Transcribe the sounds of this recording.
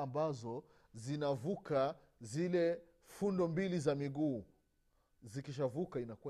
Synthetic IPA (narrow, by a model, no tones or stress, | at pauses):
ambazɔ | zinavuka | zilɛ | fundɔmbilizamiɠuː | zikiʃ̬avukainakua